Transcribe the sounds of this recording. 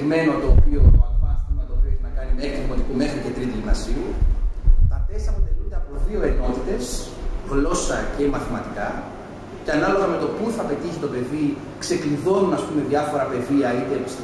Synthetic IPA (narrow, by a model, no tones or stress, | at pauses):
ɣme̞not̪o̞ːpioɐɐsumɐt̪opɾeçinɐkɐnimeek̪ipot̪ikume̞xɾice̞t̪ɾit̪ilinɐsiu | t̪ɐt̪esɐɐpot̪e̞lund̪e̞ɐpoðio̞e̞no̞t̪it̪e̞s | ɣlo̞sɐce̞mɐθimɐt̪ikɐ | ceɐnɐlo̞ɣɐme̞t̪o̞puθɐpe̞t̪içi̥t̪o̞pe̞ði | kse̞kliðo̞nunɐspume̞ðjɐfo̞ɾɐpe̞ðiɐit̪epis